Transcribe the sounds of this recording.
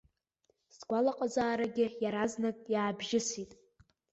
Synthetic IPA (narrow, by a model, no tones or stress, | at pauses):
sɡʷalaqʼazaːɾaɡʲɪjaɾaznatʼjaːbʒɪsitʼ